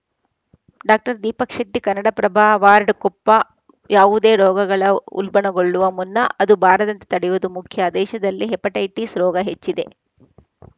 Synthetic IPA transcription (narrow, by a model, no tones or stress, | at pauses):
ɖaːk̚ʈɐɾd̪iːpɐkʂɐʈːikɐnːɐɽɐpɾɐbʱaːʋaːɾɖkɔpːɐ | jʔaːʋud̪e̞ːɾɔːɡɐɡɐɭɐṵlbɐɳɐɡoɭːuʋɐmunːɐʔɐd̪ubʱaːɾɐd̪ɐnt̪e̥t̪ɐɽɛjʋud̪umukʰjɐd̪ɛːʃɐd̪ɐlːiɦepːɐʈɐjʈisɾɔːɡɐɦet͡ʃːid̪e̞̰